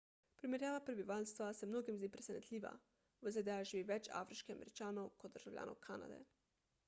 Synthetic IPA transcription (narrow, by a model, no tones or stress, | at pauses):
pɾimɛɾjaːʋapɾɛbiʋaːlst̪ʋasɛmnoːɡimzd̪iːpɾɛsɛnɛt̪lʲiːʋa̰ | ʋəzeːd̪ɛaʒiʋiʋɛt͡ʃa̰fɾiʃkɛamɛ̰ɾit͡ʃaːnɔwkɔd̪̚d̪əɾʒ̥awlʲa̰ːno̰wkʰaːna̰d̪ɛ̰